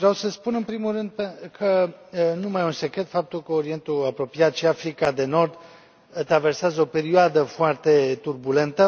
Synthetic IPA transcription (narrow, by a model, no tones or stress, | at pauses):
vɾeawsəspunɨnpɾimurɨnd̪̚pekʰənumajunse̞kɾe̞t̪fap̚t̪ulkəoɾie̞nt̪uapɾo̞piat̪ʃiafɾikad̪e̞no̞rd̪ | t̪ɾave̞rseazəo̞pe̞ɾioad̪əfoart̪e̞t̪urbule̞nt̪ə